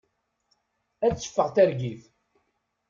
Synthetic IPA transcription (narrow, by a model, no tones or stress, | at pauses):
æt͡sːə̥fːəʁt̪æɾɡiθ